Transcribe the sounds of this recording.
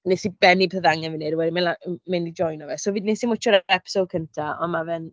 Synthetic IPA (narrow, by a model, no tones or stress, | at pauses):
nesib̥ɛnibɛθəðaŋɛnvɪnedwɛdimenlamɛnid͡ʒɔjnɔvɛsɔvɨːdnesimʊt͡ʃʰɔɾɛpʰɪ̥sokʰəntʰaɔ̰nmavɛn